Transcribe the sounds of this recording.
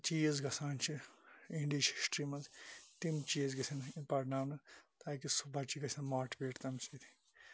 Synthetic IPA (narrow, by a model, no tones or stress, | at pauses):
t͡ʃiːzɡɐsaːnt͡ʃʰiĩɳɖit͡ʃʰi̥sʈɾiːmɐnzt̪imt͡ʃiːɐzɡɐsʲʰɐnipɐʈnaːwnɐt̪aːkisubʱat͡ʃiɡɐsʰʲɐnmaːʈbeːʈt̪ɐmsit̪ʰi̥